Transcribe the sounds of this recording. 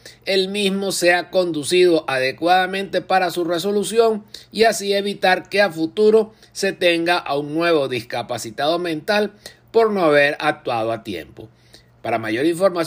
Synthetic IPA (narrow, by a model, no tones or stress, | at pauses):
e̞lmizmo̞se̞ako̞nd̪usiðo̞ʔaðe̞kwaðamẽ̞nt̪e̞paɾasure̞s̬o̞lusjo̞ŋiasie̞βit̪aɾke̞afut̪uɾo̞ | se̞t̪e̞ŋɡaʔauŋnwe̞β̞o̞ðiskapasit̪aðo̞mẽ̞nt̪al | po̞ɾnoaβe̞ɾak̚t̪wað̞o̞at̪jḛmpo̞ | paɾamaʝo̞ɾiɱfo̞ɾma